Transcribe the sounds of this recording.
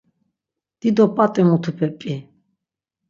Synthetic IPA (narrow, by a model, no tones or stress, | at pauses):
d̪̥id̪ɔpʼat̪ʼɛmut̪ʰupʰɛpʼi